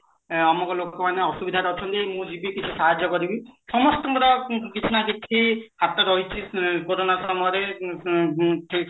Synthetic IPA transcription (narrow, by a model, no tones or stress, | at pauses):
ɔmɔkɔlokɔmaneɔsubid̪ʱaɾɔɔt͡ʃʰɔnt̪emũd͡ʒibikit͡ʃʰusaɦad͡ʒjɔkɔɾibisɔmɔst̪ɔ̃ŋkɔɾɔkit͡ʃʰunad̪ekʰihat̪ɔɾɔɦit͡ʃʰikoɾonasɔmɔjɔɾe | t̪ʰe